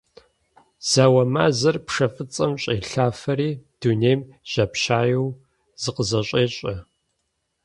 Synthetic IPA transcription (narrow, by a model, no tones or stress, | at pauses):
z̥aːwɐmaːzɐrpʂɐfʼɨt͡sʼɐmɕʼeːɬaːfɐɾiːd̥uneːjm | ʑ̥ɐpɕaːjɛw | z̥ɨqəzɐɕʷʼeːɕʼɐ